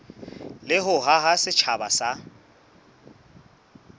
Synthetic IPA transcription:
lɪɦʊɦaɦasɪt͡ʃʰabasa

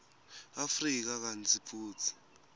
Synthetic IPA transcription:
afrik̬ak̬ant͡sʰipʰuːt͡sʰi̥

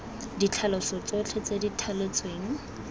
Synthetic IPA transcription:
dit͡ɬʰalɔsɔt͡sɔt͡ɬʰet͡seditʰalet͡sʼweːŋ̩

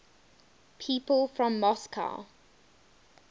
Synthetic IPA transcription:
pʰiːˑpəlfɹɔ̃mːɔskʰa̰ʊ

